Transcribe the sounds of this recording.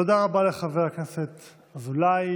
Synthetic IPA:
od̪aʁabaleχaveʁakneset̪ | azulaj

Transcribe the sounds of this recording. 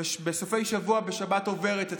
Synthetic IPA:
beso̞fe̞jʃavuabe̞ʃabato̞ve̞ʁete

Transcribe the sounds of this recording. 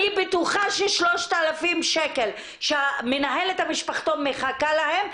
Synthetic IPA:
ibetuχaʃeʃloʃt̪aalafimʃekel | ʃeamenaɦelethamiʃpaχt̪omeχakalahem

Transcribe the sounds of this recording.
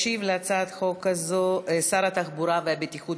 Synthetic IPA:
ʃivleat͡saːt̪xo̞kazosaɾat̪aχbuɾaveabet̪ixut

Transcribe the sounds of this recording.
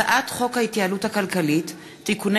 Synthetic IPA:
aʔatχo̞khaitjaaluthakalkalitː | ikun

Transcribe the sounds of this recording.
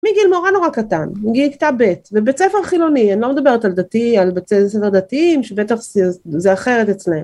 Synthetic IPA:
miɡilmoʁano̞ʁakat̪anmiɡilki̥t̪abet̪vebet͡sefeʁχilo̞nianiloed̪abe̞ʁet̪ald̪at̪ialbeesefeʁd̪atiimʃebet̪aχzzeaχe̞ʁetet͡sleem

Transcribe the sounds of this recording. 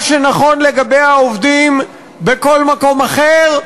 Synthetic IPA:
ʃenaχo̞nleɡabe̞jaovd̪im | beko̞lmako̞maχeʁ

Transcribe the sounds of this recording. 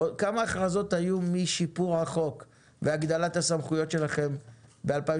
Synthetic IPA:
okamaːχʁazo̞t̪hajumiʃipuʁhaχo̞k | veaɡd̪alat̪hasamχujo̞tʃe̞laχe̞mbealpa

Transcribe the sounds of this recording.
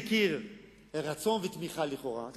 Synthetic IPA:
kiʁ | ʁat͡so̞nvet̪miχaliχo̞ʁa̰t

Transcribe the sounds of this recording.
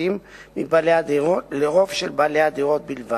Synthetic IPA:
imːibalead̪ioleʁo̞vʃelbalead̪iʁo̞t̪̚bilva

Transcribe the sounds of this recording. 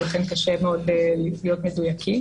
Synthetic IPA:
ofenkaʃemeodellijot̪medujakʰi

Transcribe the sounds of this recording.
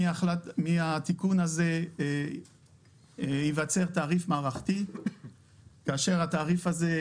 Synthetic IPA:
alamiat̪ikunaze̞ | ivat͡se̞ʁt̪aːʁifmaːʁaχt̪i | kaːʃe̞ʁhat̪aːʁifaze̞

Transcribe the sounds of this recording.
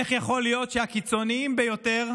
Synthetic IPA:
eχjaχo̞lijo̞tʃehakit͡so̞niimbe̞jo̞te̞ʁ

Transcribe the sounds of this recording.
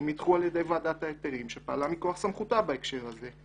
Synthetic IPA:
mit̪χualjed̪ejvad̪at̪aet̪eʁimʃepaːlamikoaχsamχut̪abaekʃe̞ʁaze̞

